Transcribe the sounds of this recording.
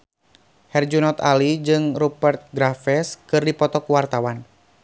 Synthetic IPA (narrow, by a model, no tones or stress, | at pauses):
hɛrd͡ʒunɔt̪alid͡ʒɨŋrupɛrt̪̚ɡɾafɛskɨrdipɔt̪ɔkuwart̪awan